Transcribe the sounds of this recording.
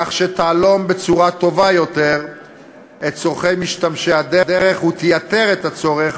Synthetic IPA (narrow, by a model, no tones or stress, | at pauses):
aχʃet̪aːlo̞mbet͡suʁat̪o̞vajo̞t̪eʁ | ett͡soʁχejmiʃt̪amʃead̪ed̪eʁeχhut̪ejat̪e̞ʁet̪at͡so̞ʁeχ